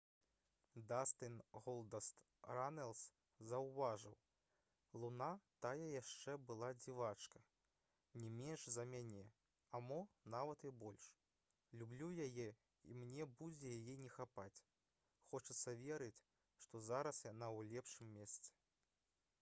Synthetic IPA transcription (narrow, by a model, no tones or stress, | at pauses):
d̪ast̪ɨnɣɔlˠd̪ɐst̪ | ɾanɛlˠs | zɐwvaʐɨw | lˠunat̪ajɐjaʂt͡ʂɛbɨlˠad͡zʲivat͡ʂkɐ | nʲɛmʲɛnʂzɐmʲanʲɛ | amɔnavɐt̪ibɔlʲʂ | lʲublʲujajɛ | ḭmnʲɛbud͡zʲɛjajɛnʲɛxapat͡sʲ | xɔt͡ʂɐt̪sːɐvʲɛɾɨt͡sʲ | ʂt̪ɔzaɾɐsjanawlʲɛpʂɨmːʲɛst̪sɛ̥